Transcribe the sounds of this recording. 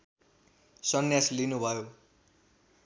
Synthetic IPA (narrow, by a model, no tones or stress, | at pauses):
sʌnjaslinubʱʌjo